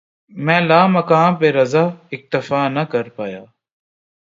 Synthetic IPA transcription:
mɛ̃ːlaːməkaːmpeːɾəzaːɪk̚t̪əfaːnəkəɾpaːjaː

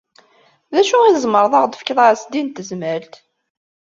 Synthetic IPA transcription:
ðæʃuizˤməɾˤðˤɑʁd̪əfkːðˤasd̪int̪əzməlt̪

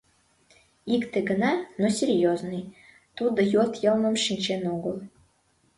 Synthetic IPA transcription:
ikt̪ĕɡə̆nɑnosʲerʲjoznɨj | t̪ud̪ɤ̆jot̪jɤlˠmə̆mʃinʲt͡ɕenoɡəlˠ

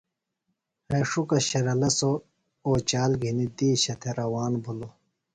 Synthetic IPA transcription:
heʂukɐɕɐɾɐlɐso | oːt͡ɕaːlɡʱinid̪iːɕɐt̪ʰeɾɐwaːnbʱulo

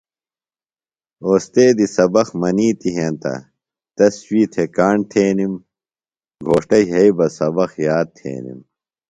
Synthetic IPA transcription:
oːst̪eːd̪isɐbɐxmɐniːt̪iɦẽːnt̪ɐ̰ | t̪ɐswiːt̪ʰekaːɳt̪ʰeːnim | ɡʱoːʂʈɐjɦɐibɐsɐbɐxjaːd̪̚t̪ʰḛːnḭm

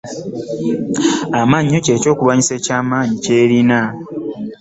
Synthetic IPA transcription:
amaːɲːoce̞ːco̞ːkuβaɲise̞ːcaːmaːɲice̞ːɾina

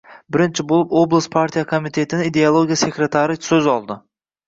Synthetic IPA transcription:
bɪɾɪnt͡ʃʰɪbolˠɪpoblˠɨspʰaɾt̪ʰijakʰomit̪ʰe̞t̪ʰɪnɪid̪ealˠoɡʲijase̞kʲɾet̪ʰaɾɪsɵzɒlˠd̪ɪ

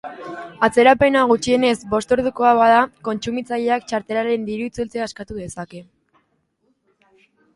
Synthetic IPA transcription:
at͡se̞ɾape̞naɣ̞ut͡ʃie̞ne̞zbo̞st̪o̞ɾðuko̞aβaðako̞nt͡ʃumit͡saʎe̞akt͡ʃaɾt̪e̞laɾe̞nd̪iɾuit͡sult͡se̞askat̪uðe̞sake̞

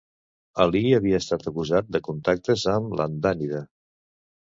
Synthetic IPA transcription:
əliəβiəːst̪at̪əkuzat̪̚d̪əkunt̪ak̚t̪əzəmlʔə̰nd̪aniðə

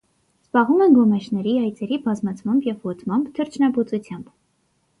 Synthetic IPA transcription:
z̥bɑʁumɛnɡɔmɛt͡ʃʰnɛɾiɑjt͡sɛɾibɑzmɑt͡sʰmɑmbjɛvːɔt̪ʰmɑmbt̪ʰəɾt͡ʃʰnɑbut͡sut͡sʰjɑmb

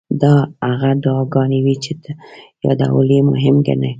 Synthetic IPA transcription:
d̪ɑaɣad̪ːɡɑnewit͡ʃet̪jɑ̰d̪a̰wəlemʊɦɪmɡa̰na

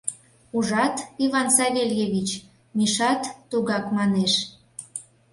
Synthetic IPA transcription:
uʒɑt̪ivɑnsɑβʲeljeβʲit͡ɕ | miʃɑt̪ːuɣɑkmɑneʃ

